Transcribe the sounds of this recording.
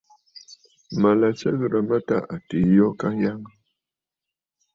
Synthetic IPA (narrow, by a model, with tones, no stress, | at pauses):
ma˨la˨t͡ʃə˦ɣɾə˨mə˦ta˦ʔa˨ti˨˦jɔ˦ka˦ja˦ŋ˦